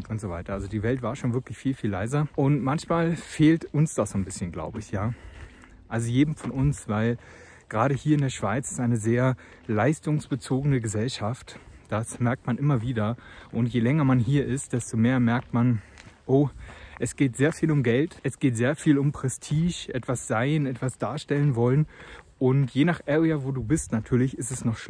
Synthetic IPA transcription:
ʔʊntz̥ovaɪtɐʔalzodiːvɛltv̥aːɐʃoːnvɪɐklɪçfiːlfiːlːa̰ɪzɐʔʊntmançmaːlfeːltʊnsd̥asz̥oːnbɪsçənɡla̰ʊbəɪçjaː | ʔalzojeːdm̩fɔnʊnsv̥aɪl | ɡ̥ʁaːɾəhiːɐɪndeːɐʃv̥aɪt͡sɪ̥stʔaɪnəzeːɐ | laɪstʊŋsb̥ət͡soːɡənəɡəzɛlʃaftd̥asmɛɐk̚tmanʔɪmɐviːdɐʔʊntjeːlɛŋɐmanɦiːɐɪst̚d̥ɛstomeːɐmɛɐk̚tmanʔoːʔɛsɡ̥eːtz̥eːɐfiːlʊmɡɛltʔɛsɡ̥eːtz̥eːɐfiːlʊmpʁ̥ɛstʰiːʃʔɛtv̥asz̥aɪnɛtv̥asd̥aːɐʃtɛlənvɔlənʔʊntjeːnaːχʔɛːʁiavoːduːbɪstnatʰyːɐlɪçɪstɛsnɔχʃ

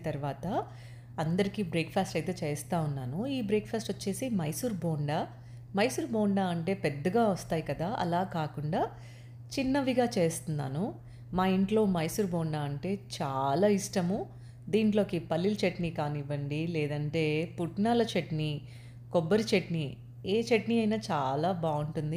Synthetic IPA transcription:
t̪ɐɾuʋaːt̪ɐ | ɐnd̪ɐɾikiːbɾeːkpʰaːsʈɐjt̪e̞ːt͡ʃe̞ːst̪aːunːaːnuiːbɾeːkpʰaːsʈot͡ʃːe̞ːsimɐjsuːɾboːɳɖaː | mɐjsuːɾboːɳɖaːɐɳʈe̞ːpɛd̪ːɐɡaːʋɐst̪aːjikɐd̪aːʔɐ̰laːkaːkuɳɖaː | t͡ʃinːɐʋiɡaːt͡ʃe̞ːst̪unːa̰ːnu | maːiɳʈlo̞ːmɐjsuːɾboːɳɖaːɐɳʈe̞ːt͡ʃaːlaːiʂʈɐmu | d̪iːɳʈlo̞ːkipɐlːilɐt͡ʃeʈnikaːniʋːɐɳɖilɛːd̪ɐɳʈe̞ːpuʈnaːlɐt͡ʃeʈni | kɔbːɐɾit͡ʃeʈni | eːt͡ʃeʈniɐjnaːt͡ʃaːlaːbaːuɳʈund̪i

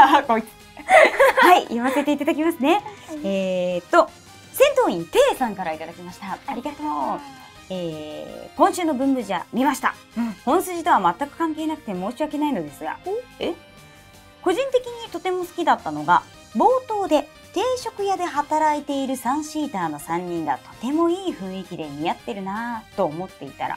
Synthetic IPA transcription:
ko | haijaβase̞t̪e̞it̪ad̪akʲimasɨne̞eːt̪ːo̞ | sẽ̞nt̪o̞ːĩnt̪e̞ːsãŋkaɾait̪ad̪akʲimaɕi̥t̪aaɾʲiɡat̪oː | eːkõɰ̃ɕɨːno̞bɯ̟̃mbɯ̟ʑa̰mʲimaɕi̥t̪a̰ | hõ̞ɰ̃sɨʑit̪o̞βamat̪ːakɯ̟̥kãŋke̞ːnakɯ̟t̪e̞mo̞ːɕiβake̞naino̞d̪e̞sɨɡa̰e | ko̞ʑĩnt̪e̞kʲiɲ̟it̪o̞t̪e̞mo̞sɨ̥kʲid̪at̪ːano̞ɡa | bo̞ːt̪o̞ːd̪e̞ | t̪e̞ːɕo̞kɯ̟jad̪e̞ɦat̪aɾait̪e̞iɾɯ̟sãɰ̃ɕiːt̪aːno̞sãɲ̟ːĩŋɡa̰t̪o̞̥t̪e̞mo̞iːɸɯ̟̃ɰ̃ikʲid̪e̞ɲ̟ijat̪ːe̞ɾɯ̟nat̪o̞ːmo̞t̪ːe̞it̪a̰ɾa̰

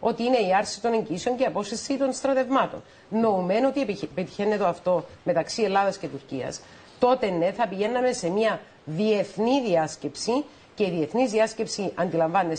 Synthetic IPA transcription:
o̞t̪iine̞iɐɾsit̪o̞neɲɟiiseo̞ɲceɐpo̞sθesit̪o̞nst̪ɾɐt̪e̞vmɐt̪o̞̰nː | o̞ume̞no̞t̪ipet̪i̥çe̞nːet̪oɐft̪o̞me̞t̪ɐksie̞lːɐðɐsce̞t̪uɾciɐ̰s | t̪o̞t̪e̞nːe̞θɐpiʝe̞nːɐme̞se̞miɐ | ðie̞θniðiɐsce̞psi | ce̞iðie̞θnizðiɐsce̞psiʔɐnd̪ilɐɱvɐnːe

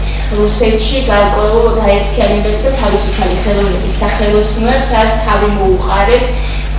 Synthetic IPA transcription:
ɾusɛt̪ʰʃiɡaɾkʼwɛulˠɡaɛɾt̪ʰianɛbɛbzɛt̪ʰavisupʰaliχɛlˠɔvnɛbisːaχɛlˠɔsmɛɾsad̪at̪st̪ʰavimɔuqʼaɾɛs

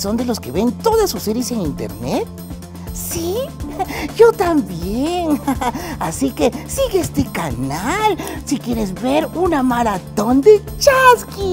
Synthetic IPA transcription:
so̞nd̪e̞lo̞ske̞βe̞nt̪o̞ðasːuseɾjese̞ŋint̪ḛɾnet̪̚ | si | ʝo̞t̪ambjen | asike̞siɣeest̪ekanalsikje̞ɾezβeɾunamaɾat̪o̞nd̪e̞ | t͡ʃaski

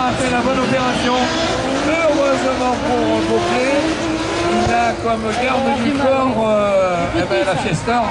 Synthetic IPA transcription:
afɛlabɔnɔpeʁasjɔ̃ | øʁøzmɑ̃puʁbokle | izakɔmɡaʁd̪əd̪ykɔʁø | ebalafɛst̪œʁ

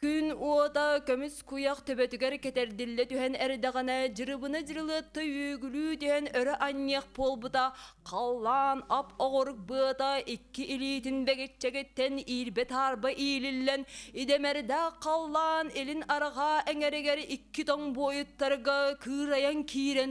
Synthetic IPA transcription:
kynuot̪ɑkømyskujɑqt̪ʰøbɛt̪yɡɛɾkɛt̪ɛɾd̪ilːɛt̪yɦɛnɛɾd̪ɛʁɑnɑd͡ʒɯɾɯbɯnɯd͡ʒɯɾɯlˠɯt̪ːɯjøːɡylyːd̪ihɛnœɾɛʔɑnʲːeq̚bolˠbɯt̪ɑqʰɑlˠːɑːnɑpʰoʁoɾɯk̚bɯɐt̪ɑʔikːiʔiliːt̪inbɛɡɛt͡ʃːɛkɛt̪ːɛniːɾbɛt̪ʰɑːɾbɑʔiːlilːɛnid̪ɛmɛɾd̪æqʰːɑlˠːɑːnelinɑɾɑʁɑʔɛŋɛɾɛɡɛɾikːit̪oŋboːjut̪ːɑɾɣɑkʰɯːɾɑjɑŋkʲʰiːɾɛn

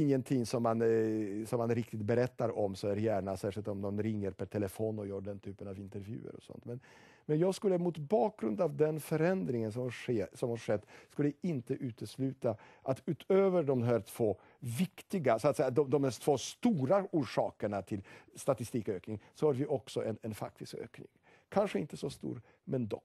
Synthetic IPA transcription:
ɪŋːənt̪ʰɪŋːsɔmːansɔmːanɾɪkt̪ɪt̪bɛɾɛt̪ːaɾɔmsɔæɾjæːɳasæːʂɪlt̪ɔmnɔnɾɪŋːəɾpʰɛʈʰɛləfoːnɔjœːɖɛnt̪ʰyːpənavɪnt̪əɾvjʉ̟̰ːə̰ɾɔ̰sɔ̰nt̪mɛn | mɛnjɑːɡskɵlːəmʊt̪bɑːk̚ɡɾɵnd̪avd̪ɛnfœɾɛnd̪ɾɪŋəns̬ɔmhaʂeːsɔmhaɾʂɛt̪ːskɵlːɪnt̪əʔʉ̟ːt̪ʰəslʉ̟ːt̪a | ʔat̪ʉ̟ːt̪ʰøːvəɖɔmɦæːɾt̪ʰv̥oː | vɪkt̪ɪɡasɔat̪sɛjad̪ɔmd̪ɔmhæːt̪ʰv̥oːst̪uːɾauːʂɑːkəɳat̪ʰɪlst̪at̪ɪst̪iːkøːknɪŋsɔhaɾvɪʔɔksɔʔɛnɛnfa̰k̚t̪ʰɪskø̰ːknɪ̰ŋ | kʰanʂəɪnt̪əsɔst̪ṵːɾ | mɛnd̪ɔ̰k

